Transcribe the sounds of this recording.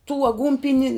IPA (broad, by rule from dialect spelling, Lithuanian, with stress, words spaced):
tuː ɐˈɡuːnʲpʲɪnʲɪ